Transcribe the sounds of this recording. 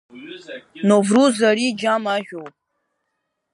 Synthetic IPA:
novruzaɾid͡ʒamaʒʷᶣowpʼ

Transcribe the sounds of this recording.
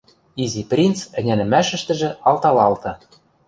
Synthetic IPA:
iziprʲint̪t͡sɘ̆nʲænɘ̆mæʃɘ̆ʃt̪ɘ̆ʒĕɑlt̪ɑlɑlt̪ɤ̆

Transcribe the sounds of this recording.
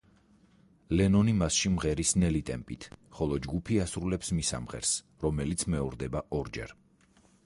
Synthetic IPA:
lɛnɔnimasʃimʁɛɾisnɛlit̪ʼɛmpʼit̪ʰχɔlˠɔd͡ʒɡupʰiasɾulɛpsmisa̰mʁɛ̰ɾs | ɾɔmɛlit̪sʰmɛɔɾd̪ɛbaʔɔɾd͡ʒɛ̰ɾ

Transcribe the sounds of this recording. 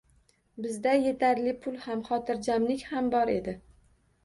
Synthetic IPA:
bɪzd̪aje̞t̪ʰaɾlɪpʰʊlˠhamχɒt̪ʰɪɾd͡ʒamlɪkʲhambɒɾe̞̰d̪ɪ

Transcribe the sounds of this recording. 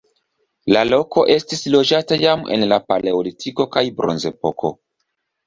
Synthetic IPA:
lalo̞ko̞ʔe̞stislo̞d͡ʒatajame̞̰nlapale̞olitʰiko̞kajbɾo̞̰nze̞po̞kʰo̞̰

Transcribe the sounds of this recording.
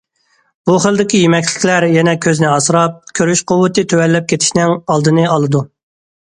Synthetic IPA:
b̥uχəlˠd̪ɪkʲijemɛkʲlɪ̥kʲlæɾjɛnɛkʲʰøznɪɑsɨɾɑp̚kʲʰøɾyʃqʰʊwːɨt̪ɨt̪ʰøwɛlːɛp̚kʲʰet̪ʰɪ̥ʃnɪŋɑlˠd̪ɨnɨɑlˠɨd̪u

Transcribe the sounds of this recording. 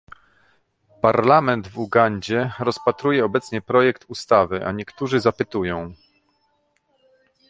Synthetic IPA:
paɾlamɛnd̪vuɡaɲd͡ʑɛɾɔspat̪ɾujɛɔbɛt̪sɲɛpɾɔjɛkt̪ust̪avɘʔa̰ɲɛkt̪uʐɘzapɘt̪ujɔ̃w̃

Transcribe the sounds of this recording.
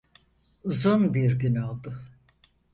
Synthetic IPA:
uzunbiɾɡynolˠd̪ʊ

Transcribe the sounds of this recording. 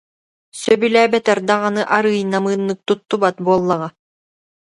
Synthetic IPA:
sœbylæːbɛt̪ɛɾd̪aʁanɯʔaɾɯːjnamɯːnːɯk̚t̪ut̪ːubat̪̚buɔlˠːaʁa

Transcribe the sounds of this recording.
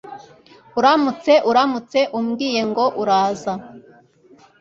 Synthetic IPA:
uɾamut͡se̞ʔuɾamut͡se̞ʔumɡiːje̞ŋɡo̞ʔuɾaːza

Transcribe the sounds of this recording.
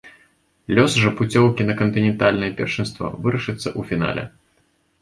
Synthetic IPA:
lʲɔsʐɐput͡sʲɔwkʲinɐkɐnt̪ɨnʲɛnt̪alʲnɨjɛpʲɛ̰rʂɨnst̪vɔ̰vɨɾɐʂɨt̪sːɐʔufʲina̰lʲɛ̰

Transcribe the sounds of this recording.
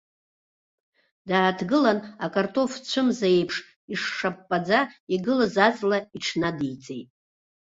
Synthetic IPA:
daːtʰɡɨlanakʼartʰo̞ft͡ɕʷʰɨmzejpʰʂ | iʂːapːad͡zaiɡɨlazat͡sʼlaiʈ͡ʂʰnadijt͡sʼḛjtʼ

